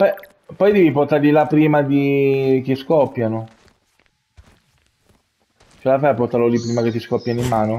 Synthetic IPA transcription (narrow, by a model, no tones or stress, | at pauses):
b̥ɛ | pːɔjd̪ɛːviport̪aɾlilapɾiːmad̪ik̟iskɔpːjano | t͡ʃelafaport̪aɾlolipːɾiːmaket̪ːiskɔpːjanimːaːno